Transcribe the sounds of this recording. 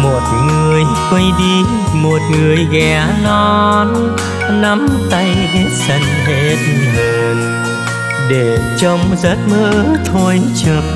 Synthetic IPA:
mo˨˩t̚ŋɨ˨˩əj | kwə˧jɗi˧ | mo˨˩t̚ŋɨ˨˩əjɣɛ˨˩˨ | nɔ˧n | na˧mt̪a˧jve˧˦sə˧nɦe˦˥t̚ɦəː˧˩n | ɗe˧˩t͡ɕə˧wŋ͡mzə˦˥t̚məː˧˦t̪ʰo˧jt͡ɕɨ˨˩k̚

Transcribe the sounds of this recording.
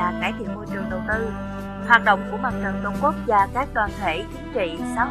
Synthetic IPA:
aː˨˩kaː˧˩jt̪ʰḭ˧˨əmːo˧jt͡ɕɨ˨˩əŋɗə˨˩wt̪ɨ˧ | hwaː˨˩t̚ɗə̰˧˨wŋ͡mku˧˩əɓaː˨˩t̚t͡ɕə˨˩ŋt͡ɕə˧wŋ͡mku˦˥ək̚zaː˧˩kaː˦˥k̚ɗ̪waː˧˩nt̪ʰe˧˩t͡ɕï˨˦ŋt͡ɕḭ˧˨saː˨˦

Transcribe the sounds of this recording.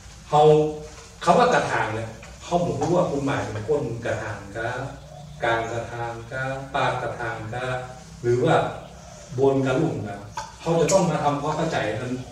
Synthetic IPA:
hʰa˧w | kʰaː˧˥˩waː˥˩ka˨˧˩t̪ʰaː˨˦nli˧˩ | kʰa˧˥wpʰo˨˩˦nʰpʰu˦˥waː˥˧˩kʰu˧nmaː˨˩jpe˨˩˦kʰo˧˥˨n˧ka˧t̪ʰaː˨˩˦nkaː˧˥ | kaː˧nka˧t̪ʰaː˧nkaː˧˥paː˧˩ka˧˩t̪ʰaː˨˧˩nkaː˧˥ | ɾɯː˩˦waː˧˩ | bo˧nka˧lu˧˨˩ŋkaː˧˩kʰa˦˥wt͡ɕa˨˩t̪ɔ˥˩ŋma˧t̪ʰa˧mkʰwaː˥mkʰa˥˩wt͡ɕa˨˩jʔma˧n

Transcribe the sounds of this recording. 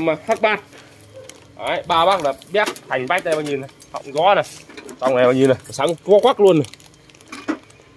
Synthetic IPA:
maː˨˩faː˦˥k̚ɓaː˦˥˩t̚ | ʔaː˨˦jɓaː˧ɓaː˦˥k̚ɗaː˨˩ɓi˦˥ət̚t̪ʰa˨˩ŋ̟ɓaː˦˥j̚ɗa˧˩aː˧ŋɲi˧˩na˨˩hɔ̰˧˨wŋ͡mɣɔ˨˦na˨˩jt͡ɕɔ˧wŋ͡mna˨˩ɓaː˧˩ɲi˧˩na˨˩˨saː˨˦ŋku˨˦kwaː˦˥k̚lu˧ənːa˨˩j

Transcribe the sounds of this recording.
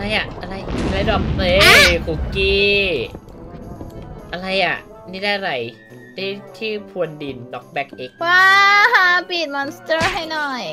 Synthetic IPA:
a˧ɾa˧jʔa˨˩ʔʔa˧ɾa˧jla˧˥jdɔː˨˩k̚pleː˧kʰuː˨˩kiː˧˩ | ʔa˧ɾa˧jʔa˨˩ʔ | niː˥˩daː˥˩ɾa˧j | daː˥˩t̪ʰiː˥˩pʰu˧əndi˧˩ntɔ˦˥k̚bɛ˦˥k̚ʔe˦k̚waː˧˥˩ɦa˧˥piː˨˩t̪̚mɔ˧nst̪ɤː˥˩ɦa˥˩jnɔ˨˩j

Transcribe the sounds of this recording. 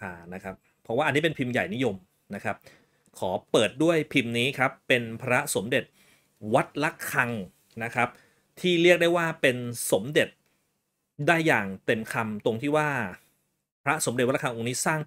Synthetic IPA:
aː˧˩na˦˥kʰa˦˥p̚ʰːɔ˦˥waː˥˩ʔa˧nːiː˦˥pe˧npʰi˧mja̰˨˩jni˦˥jo˧m | na˦˥kʰa˦˥p̚ | kʰɔː˩˦pɤː˨˩t̪̚du˥˩əjpʰi˧mniː˦˥kʰɾa˦˥pːe˧npʰɾa˦˥so˩˦mde˨˩t̪̚ | wa˦˥t̪̚la˦˥kʰːa˧ŋ | na˦˥kʰɾa˦˥p̚ | t̪ʰiː˥˩ɾi˥˩ək̚da˥˩jwaː˥˩pe˧nso˩˦mde˨˩t̪̚ | daː˥˩jːaː˨˩ŋt̪e˧mkʰa˧mt̪o˧ŋt̪ʰiː˥˩waː˥˩ | pʰɾa˦˥so˩˦mde˨t̪̚la˥kʰŋʔo˧niː˦˥saː˥˩ŋ

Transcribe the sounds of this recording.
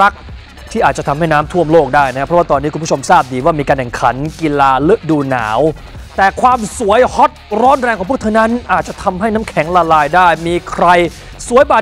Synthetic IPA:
a˦˥k̚ | t̪ʰiː˥˩ʔaː˨˩t̪̚t͡ɕa˨t̪ʰa˧mha˥˩jnaː˦˥mt̪ʰu˥˩əmloː˥˩k̚daː˥˩jna˥kʰa˥pʰɾɔ˦˥waː˥˩t̪ɔː˧nːi˦˥kʰu˧npːʰo˧msaː˥˩p̚diː˧waː˥˩miː˧kaː˧nʰɛ˨˩ŋkʰa˩˦nki˧laː˧lɯ˦˥ʔ̚duː˧na̰ː˩˦w | t̪ɛː˨˩kʰwaː˧msu˩˦əjhɔ˦˥t̪̚ɾɔː˦˥nɾɛː˧ŋʰkɔː˨˩˦pʰːt̪ʰːna˦˥nʔaː˨˩t̪̚t͡ɕa˨˩t̪ʰa˧mɦa˥˩jnaː˦˥mkʰɛ˩˦ŋlaː˧laː˧jdaː˥˩jmiː˧kʰɾa˧j | su˩˦jbaː˨˩

